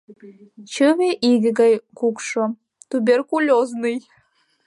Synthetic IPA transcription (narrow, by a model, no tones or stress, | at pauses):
t͡ɕəβeʔiɡɘ̆ɣɑjkukʃo | t̪ubʲerkulʲoznɨj